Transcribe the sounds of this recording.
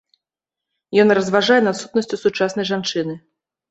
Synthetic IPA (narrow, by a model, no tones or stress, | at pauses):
jɔnrɐzvaʐajɛnat̪sut̪̚nɐsʲt͡sʲusut͡ʂasn̪ɐjʐant͡ʂɨnɨ